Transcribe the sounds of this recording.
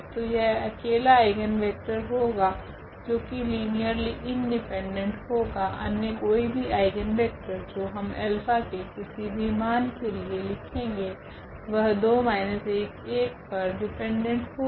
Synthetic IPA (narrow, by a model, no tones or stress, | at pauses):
t̪ojɛɦɐkeːlaaɪɡənʋɛːk̚ʈəɾɦoːɡaː | d͡ʒoːkiliːnijəɾliʔɪ̃ɳɖɪpɛ̃ɳɖə̃ɳʈɦoːɡaʔɐ̰njəkoːibʱiaːɪɡənʋɛːk̚ʈəɾd͡ʒoːɦɐmɛːlpʰakekɪsibʱimaːnkelielɪkʰẽːŋɡeː | ʋɐɦd̪oːmaːɪneseeːkeːk̚pɐɾɖɪpɛ̃ɳɖə̃ɳʈɦoː